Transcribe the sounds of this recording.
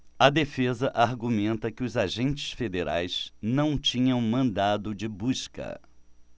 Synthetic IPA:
ɐd̪efezɐʔaɾɡumẽnt̪ɐkɪʊzaʒẽnt͡ʃɪ̥sfed̪eɾa̰jsnɐ̃w̃t͡ʃĩɲɐ̃w̃mɐ̃nd̪ad̪ʊd͡ʒɪbuʃkɐ̰

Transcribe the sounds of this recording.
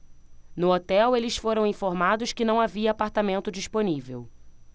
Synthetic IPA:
nʊot̪ɛwelɪsfoɾɐ̃w̃ĩfoɾmad̪ʊʃkɪnɐ̃w̃aviɐːpaɾt̪amẽnt̪ʊd͡ʒiʃponivḛw

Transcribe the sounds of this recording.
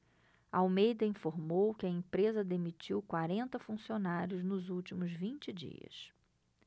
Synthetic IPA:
ɐawmejd̪ɐĩfoɾmowkɪɐẽpɾezɐd̪emit͡ʃiwkwaɾẽnt̪ɐfũsionaɾjʊznʊzuwt͡ʃimʊzvĩnt͡ʃɪd͡ʒḭɐ̰s

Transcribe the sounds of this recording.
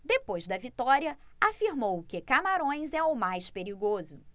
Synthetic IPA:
d̪epojzd̪ɐvit̪ɔɾiɐafiɾmowkɪkamaɾõj̃zɛʊmajspeɾiɡozʊ

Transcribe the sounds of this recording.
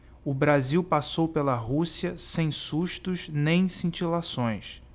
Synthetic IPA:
ʊbɾaziwpasowpelɐɦusiɐsẽj̃suʃt̪ʊznẽj̃sĩt͡ʃilasõj̃s

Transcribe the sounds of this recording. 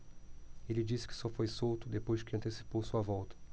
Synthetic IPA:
elɪd͡ʒisɪ̥kɪ̥sɔfojsowt̪ʊd̪epojzd͡ʒɪkɪɐ̃nt̪esi̥powsuɐvɔwt̪ɐ̥

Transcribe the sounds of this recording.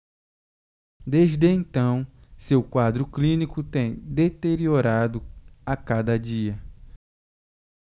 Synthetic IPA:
d̪ezd̪ɪẽnt̪ɐ̃w̃sewkwad̪ɾʊklĩnikʊt̪ẽj̃d̪et̪eɾioɾad̪ʊakad̪ɐd͡ʒiɐ

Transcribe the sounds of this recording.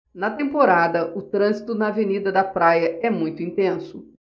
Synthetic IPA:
nɐt̪ẽmpoɾad̪ɐʔʊt̪ɾɐ̃zit̪ʊnɐvenid̪ɐd̪ɐpɾajɐɛmũj̃t̪ʊĩnt̪ẽsʊ

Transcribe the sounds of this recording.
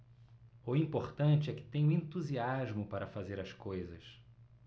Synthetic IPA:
ʊĩmpoχt̪ɐ̃t͡ʃɪɛkɪ̥t̪ẽj̃ʊ̃ẽnt̪uziaʒmʊpaɾɐfazeɾɐskojzɐs

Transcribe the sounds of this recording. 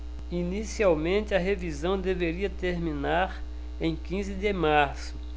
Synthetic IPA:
inisiawmẽnt̪ɪɐɦevizɐ̃w̃d̪eveɾiɐt̪eɾmĩnaɾ | ẽj̃kĩzɪd̪ɪmaɾsʊ̥

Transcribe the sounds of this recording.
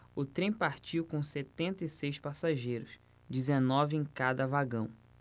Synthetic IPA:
ʊt̪ɾẽj̃paɾt͡ʃiwkõset̪ẽnt̪ɐisejspasaʒejɾʊs | d͡ʒizenɔvɪẽj̃kad̪ɐvaɡɐ̃w̃

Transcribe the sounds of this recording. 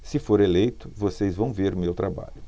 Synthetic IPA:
sɪfoɾelejt̪ʊ̥vosezvɐ̃w̃veɾʊmewt̪ɾaba̰ʎʊ

